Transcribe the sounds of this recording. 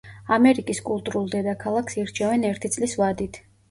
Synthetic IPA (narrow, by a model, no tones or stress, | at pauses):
amɛɾikʼiskʼulˠt̪ʼuɾulˠd̪ɛd̪akʰalˠakʰsiɾt͡ʃʰɛvɛnɛɾt̪ʰit̪sʼlisvad̪it̪ʰ